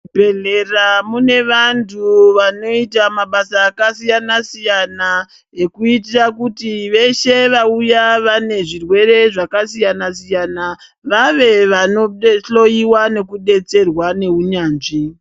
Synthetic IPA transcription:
bʱe̞ɮeramune̞ʋantʰuʋano̞itamaɓasaːkasijanasijana | e̞kuit̬irakutiʋe̞ʃe̞ʋaujaʋane̞ʐirwe̞ɾe̞ʐakasijanasijana | ʋaʋe̞ʋano̞ɬo̞jiwane̞kuɗe̞t͡se̞rwane̞ɦuɲaːnʐi

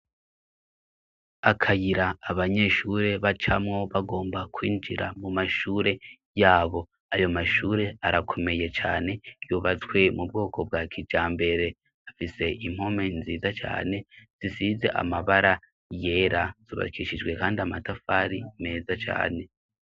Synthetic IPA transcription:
akʰajiɾaːβaɲe̞ʃuɾe̞βat͡ʃamŋo̞βaɡo̞ːmbakwiːnd͡ʒiɾa̰mumaʃuːɾe̞ | jaːβo̞ | ajo̞maʃuːɾe̞aɾakʰo̞me̞je̞t͡ʃa̰ːne̞juβat͡skwe̞mub̚ɡo̞ːkʰo̞b̚ɡakʰid͡ʒaːmbe̞ɾe̞ | afise̞ʔim̥ho̞me̞nziːzat͡ʃa̰ːne̞z̥isize̞ʔa̰maβaɾa | je̞ːɾaz̥uβa̰kiʃid͡ʒwe̞kaːndiamatafaːɾime̞ːzat͡ʃa̰ːne̞

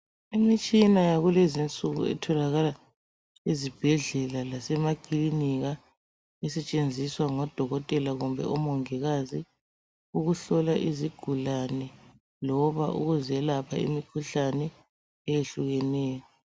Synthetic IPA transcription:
imit͡ʃʼinajaɣulezint͡sʼuɣṵɛ̰tʰɔlaɣala | izib̥ʱɛɮɛlalasɛmaɡ̥ʱiliniɣa | ɛsɛt͡ʃʼend͡zʱiswaŋɔd̥ʱɔɣɔtʼɛlaɣumbʱɛ̰ʔɔmɔŋɛɣazi | uɣuɬɔlaʔiziɡ̥ʱulanɛ | lɔβaʔṵɣuzɛlapʰa̰ḭmikʰuɬanɛ | ɛjeɬuɣɛnɛːjɔ

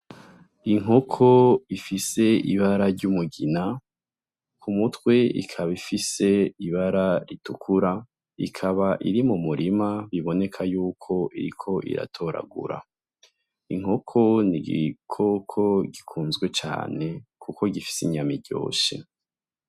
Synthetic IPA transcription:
iŋ̥ɦo̞kʰoifise̞iβaɾaɾɟumuɡina | kʰumutwe̞ḭkʰaβifise̞iβaɾaɾitukʰuɾa | ikʰaβaʔiɾimumuɾʔimaβiβo̞ne̞kʰajuːkʰo̞ʔiɾikʰo̞ʔḭɾa̰tʰo̞ɾa̰ɡṵɾa̰ | iŋ̥ɦo̞kʰo̞niɡḭkʰokʰoɡikʰuːnzɡwe̞t͡ʃa̰ːne̞kʰuko̞ɡifi̥siɲamiɟo̞̰ːʃḛ

